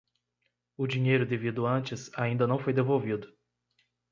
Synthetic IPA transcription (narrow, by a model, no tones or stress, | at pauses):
ʊd͡ʒĩɲejɾʊd̪evid̪ʊɐ̃nt͡ʃɪsaĩd̪ɐnɐ̃w̃fojd̪evowvid̪ʊ